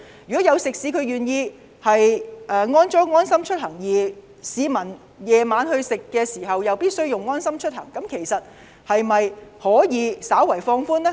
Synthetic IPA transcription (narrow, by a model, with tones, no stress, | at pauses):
jyː˨˩kɔː˨˥jɐ˨˧wsɪ˨k̚siː˨˥kʰɵ˧ɥɥyː˨njiː˧ | hɐ˨jʔɛː˨ŋɔː˥nt͡sɔː˥ŋɔː˥nsɐ˥mt͡ʃʰɵ˥t̚hɐ˨˩ŋjiː˨˩ | siː˨˧mɐ˨˩n | jɛː˨˧maː˨˧nhɵ˧ɥsɪ˨kːɛː˧siː˨˩ɦɐ˨wjɐ˨wpiː˥t̚sɵ˥ɥjʊ˨ŋːɔː˥nsɐ˥mt͡ʃʰɵ˥t̚hɐ̰˨˩ŋkɐ˨˥mkʰe˨˩jsɐ˨t̚ | hɐ˨jmɐ˨jhɔː˨˥jiː˨˧saː˨˥wɐ˨˩jfɔː˧ŋfuː˥nɛ˥